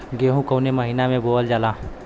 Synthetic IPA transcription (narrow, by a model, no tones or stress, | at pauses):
ɡeːɦũkəwneməɦinamẽboːəld͡ʒaːlaː